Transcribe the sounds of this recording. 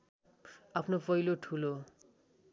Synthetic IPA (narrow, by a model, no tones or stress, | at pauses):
apʰnopʌjloʈʰulo